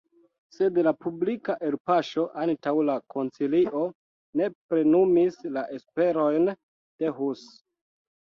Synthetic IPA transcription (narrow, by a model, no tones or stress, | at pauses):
se̞dlapublikaʔe̞lpaʃo̞ʔantawlakʰo̞nt͡siliʔo̞ | ne̞pɾe̞numislaʔespe̞ɾo̞jn | d̥eɦus